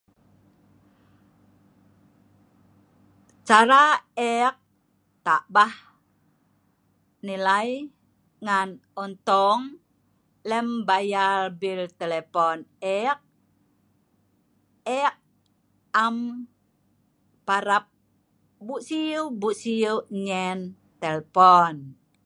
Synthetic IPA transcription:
t͡ʃaɾaɛk̚ | t̪aʔbah | nilaj | ŋanɔnt̪ɔŋ | lɛmbajalbilt̪elepɔnɛk̚ | ɛk̚ | am | paɾap̚ | buʔsiubuʔsiuɲɛn | t̪ɛlpɔn

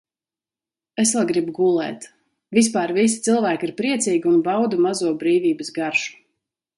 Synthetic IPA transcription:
esvɛlˠɡɾibuɡulˠɛ̰ːt̪ | vis̬paːɾvis̬i̥t̪silˠvæːkiɾpɾiɛt̪siːɡʲiunbawd̪amazuɔbɾiːvʲiːbəsɡaɾʃu̥

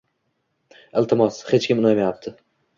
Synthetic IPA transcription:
ɪlˠt̪ʰɪmɒshet͡ʃkʲɪmnajmejap̚t̪ʰɪ

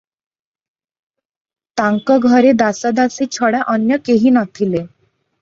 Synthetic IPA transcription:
t̪aŋkɔɡʱɔɾed̪asɔd̪asit͡ɕʰɔɽaʔɔnjʌkeɦinɔt̪ʰile

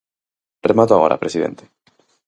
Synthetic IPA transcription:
remat̪oaɣoɾʔa̰pɾesiðḛ̃nt̪e̥

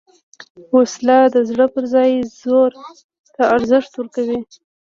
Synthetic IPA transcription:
woslad̪əzɽəpəɾzɑjzoɾ | t̪aaɾzɪʂt̪wəɾkawi

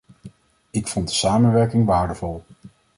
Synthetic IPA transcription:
ɪkfɔnt̚də̥saːmənʋɛɹkɪŋʋaːɹdəvɔlˠ

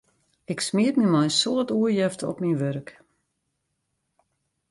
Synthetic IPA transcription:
ɪksmiətmimajsoətuəjɛftɔ̰pminʋørk

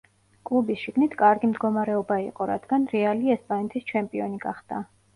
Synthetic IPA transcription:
kʼlˠubisʃiɡnit̪ʰkʼaɾɡimd̪ɡɔmaɾɛɔbaḭqʼɔɾa̰d̪̥ɡanɾɛaliɛspʼanɛt̪ʰist͡ʃʰɛmpʼiɔniɡa̰χd̪̥a

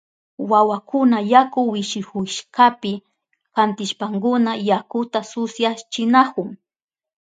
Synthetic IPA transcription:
wawakʊnajakʊwɪʃɪhʊʃkapɪ | kant̪ɪʃpaŋkʊnajakʊt̪asʊsjat͡ʃɪnakʊŋ

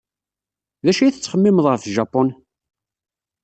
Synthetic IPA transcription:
ðæʃæjθət͡sːχəmːɪməðˤʁəfʒɑpːɔn

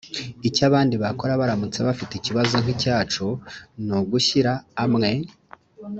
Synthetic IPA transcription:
icaβaːndiβako̞ɾaβaɾamut͡seβafiticiβazo̞ŋ̥hicaːt͡ʃonuɡuʃiɾaːmŋe̞

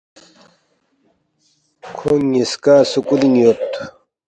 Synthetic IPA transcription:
kʰoŋiskaːsukuliŋjot̪

